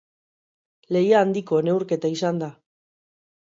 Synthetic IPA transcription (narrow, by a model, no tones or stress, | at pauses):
le̞jaːnd̪iko̞ene̞wɾke̞t̪aisand̪a